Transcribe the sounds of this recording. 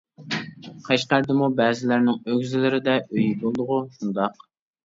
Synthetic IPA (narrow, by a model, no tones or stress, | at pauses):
qʰɑʃqæɾd̪ɪmubɛːzɪlæɾnɪŋøɡʲzɪlɪɾɪd̪ɛʔøjibolˠd̪ʊʁʊʃund̪ɑq